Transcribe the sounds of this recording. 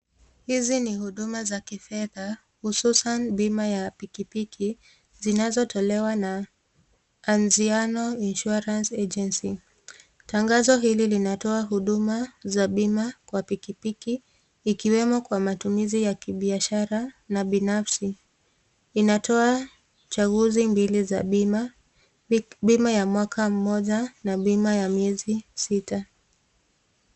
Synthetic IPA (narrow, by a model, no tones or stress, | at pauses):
hizinihuɗumazakifɛða | hususanɓimajapikipikʰi | zinazɔtʰɔlɛwana | nzianɔinʃuaɾansɛd͡ʒɛnsi | taŋɡazɔɦililinatɔaɦuɗumazaɓimakwapikipikiː | kiwɛmɔkwamatumizijakiɓiaʃaɾanaɓinafsiː | natʰɔa | t͡ʃaɣuzimbiliza̰ima | ɓimajamwakʰam̩mɔʄanaɓimajamiɛzisita